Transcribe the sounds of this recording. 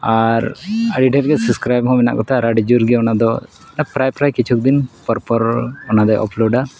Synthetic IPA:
aɾaɖiʈɛɾɡɛsuskɾajbɦɔ̃mɛna̰ʔkɔt̪ʰaɾaɖid͡ʒuɾɡɛɔnad̪ɔ | napɾajpɾajkit͡ʃʰuk̚d̪inpɔɾpɔɾɔnad̪ajʔɔ̰pʰloɖa

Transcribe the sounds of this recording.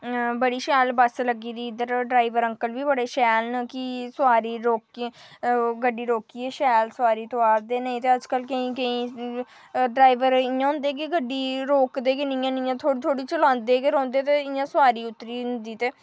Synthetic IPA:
bəɽiːʃɛːlbəsləɡiːd̪iːɪd̪əɾɖɾaːiʋəɾə̃ŋkəlʋiːbəɽeːʃɛːlnəkɪsʊaːɾiːɾoːki | ɡəɖiːɾoːkiːɛːʃɛːlsʊaːɾiːt̪oaːɾd̪eːnaĩt̪eːəd͡ʒkəlkəĩːkəĩː | ɖɾaːiʋəɾɪjãːɦʊ̃nd̪eːk̬ɪɡəɖːiːɾoːkd̪eːkɪnɪ̃jãːnɪ̃jãːt̪ʰoːɽt̪ʰoːɽiːt͡ʃəlãːnd̪eːkeɾɔ̃ːnd̪eːt̪eːɪjãːsʊaːɾiːʊt̪ːɾiːɦʊnd̪iːt̪eː

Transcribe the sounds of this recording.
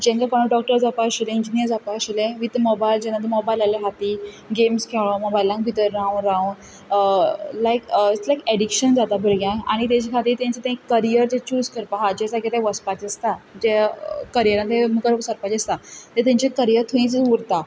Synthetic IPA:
d͡ʑẽŋɡakaɽ̃uɖɔk̚ʈəɾd͡zapaəɕelẽiɲd͡ʑinijəɾd͡zapaəɕelẽʋit̪mɔbajld͡ʑɛ̃nad̪əmɔbajlalaɦat̪i | ɡemskʰeɭomɔbajlãŋk̚bʱit̪əɾːãũnɾaũn | lajkt͡slajkeɖikɕənd͡zat̪abʱəɾɡjãaɽ̃it̪ãt͡ɕekʰat̪iːɾt̪ãɲt͡set̪ẽĩkəɾijəɾd͡ʑet͡ɕuːd͡zkəɾpaɦad͡ʑesaket̪ẽʋəspat͡ɕest̪ad͡ʑekəɾijəɾant̪emukəɾsəɾpat͡ɕest̪at̪əɾt̪ẽɲt͡ɕekəɾijəɾt̪ʰũĩt͡suɾt̪a

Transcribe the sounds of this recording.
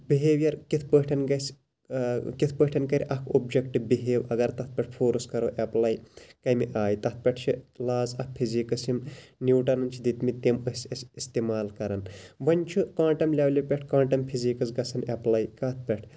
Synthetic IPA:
biɦeːʋjɐɾkit̪ʰpəːʈʰɐnɡɐs | kit̪ʰpəːʈʰɐnkɐɾʲiʔɐkʰoːb̚d͡ʒɐkʈɨbiɦeːwɐɡɐɾt̪ɐt̪̚ʰpʲɐʈ̚ʰpʰoːɾɨskɐɾoːʔɐplɐjkɐjmiʔaːjit̪ɐt̪̚ʰpʲɐʈʰt͡ʃʰilaːzɐkpʰiziːkɐsimniːʈɐnɐnt͡ʃʰid̪it̪mit̪emɨsʲɐsʲist̪emaːlkɐɾɐnʋɐnʲt͡ʃʰukãːʈɐmlʲɐʋlʲipʲeʈʰkãːʈɐmpʰiziːkɐzɡɐsɐnɐplɐjkɐt̪̚ʰpʲeʈʰ

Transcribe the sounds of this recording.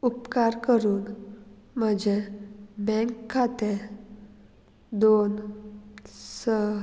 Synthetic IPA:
upkaɾkəɾuːnm̤əd͡ʑebɛ̃ŋkʰːat̪e | d̪on | sə

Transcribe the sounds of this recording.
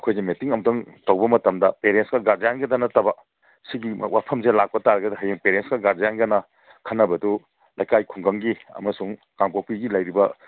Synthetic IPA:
ɐkʰojzemetiŋɐmdɐŋtowbɐmɐtɐmdɐpeɾensɡɐɡaɾd͡ʒajaŋɡɐdɐnɐtɐbɐ | siɡim̰wʔapʰɐmzelak̚pɐtaɾɐɡɐdɐɦɐjeŋpeɾensɡɐɡaɾd͡ʒajaŋɡɐnɐ | kʰɐnːɐbɐdu | lajkajkʰuŋɡɐŋɡiɐ̰mɐsuŋ | kaŋpopiɡilɐjɾibɐ

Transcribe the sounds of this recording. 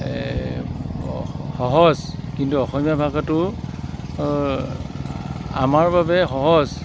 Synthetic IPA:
xɔɦɔzkintuɔxɔmijabʱaɡatʊ | a̰maɹbabɛxɔɦɔz

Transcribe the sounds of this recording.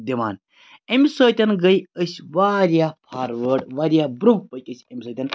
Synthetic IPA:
d̪ʲiʋa̰ːn | emʲsəːt̪ʲɐnɡɐjəsʲʋaːɾjaːpʰaːɾʋəːʈʋaːɾʲjaːbɾũpəkʲəsʲɐmʲsəːt̪ʲɐn

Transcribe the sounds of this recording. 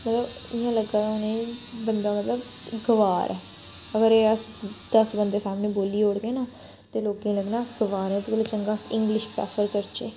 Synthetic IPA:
mət̪ləb | ɪjãːləɡ̪aːonẽːbənd̪ãːmət̪ləbɡəʋaːɾʔɛː | əɡəɾeːəsd̪əsbənd̪eːsaːmnẽːboːliːoːɽɡ̪ẽːnãː | t̪eːloːkẽləɡnaːsɡəʋaːɾɛ̃ːt̪kəlːt͡ʃəŋɡaːsɪ̃ŋɡlɪʃpa̰ːfʰəɾkəɾt͡ʃeː

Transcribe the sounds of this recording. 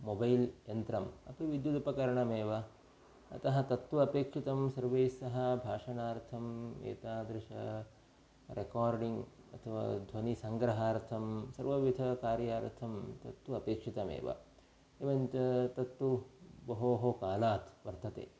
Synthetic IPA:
mobɐjljɐnt̪ɾɐmɐ̰t̪uʋid̪jud̪ɐpɐkɐɾɐɳɐmeːʋɐ | ɐ̰t̪ɐɦɐt̪ɐt̪ʋuɐpeːkʂit̪ɐmsɐɾʋejsɐɦɐbʱaːʂɐnaːɾt̪ʰɐmḛːt̪aːd̪ɾɪʂɐ | ɾʔekaːɾɖiŋɡ | ɐ̰t̪ʰɐʋa̰ːd̪ʱʋɐnisɐŋɡɾɐɦaːɾt̪ʰɐmsɐɾʋɐʋid̪ʱɐkaːɾjaːɾt̪ʰɐmt̪ɐt̪wuɐpeːkʂit̪ɐmḛːʋɐ̰ | eʋɐnt͡ʃɐt̪ɐt̪ːwubɐɦoːɦokaːlaːt̪ʋɐɾt̪ɐt̪ḛː

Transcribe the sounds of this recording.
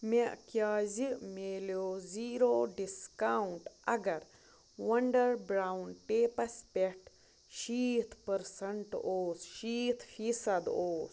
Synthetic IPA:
meʔkjaːzimeːloːziːɾoːɖiskauɳʈɐɡɐɾ | wɐɳɖɐɾbɾaːwnʈeːpɐspeʈ | ʃiːt̪ʰpəɾsɐɳʈoːsʃiːt̪ʰfiːsɐd̪oːs

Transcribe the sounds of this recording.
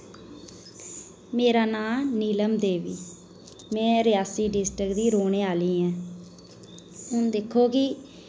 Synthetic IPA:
meːɾaːnaːniːləmd̪eːʋiː | mɛ̃ːɾɪjaːsiːɖɪsʈɾəkd̪iːɾoːneːaːliːɛ̃ː | ʊnd̪ekʰːoːkɪ

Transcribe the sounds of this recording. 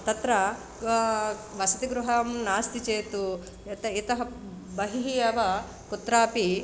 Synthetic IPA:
t̪ɐt̪ɾɐ | ʋɐsɐt̪iɡɾuɦɐmnaːst̪it͡ʃeːt̪u | ɐt̪ɐit̪ɐɦɐ | bɐɦiɦijɐʋɐ | kut̪ɾaːpi

